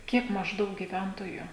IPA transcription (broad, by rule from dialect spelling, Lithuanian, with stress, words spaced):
ˈkʲiɛk mɐʒˈdɐʊk ɡʲɪˈʋʲɛntoːjʊ